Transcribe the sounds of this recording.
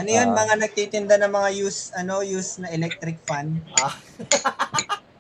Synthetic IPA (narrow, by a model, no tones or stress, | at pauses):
ʔɐnojo̞nmɐŋanɐɡ̚t̪it̪ɪnd̪anɐŋmɐŋajuːsʔɐno̞jusnɐʔɛlɛk̚t̪ɾɪk̚fan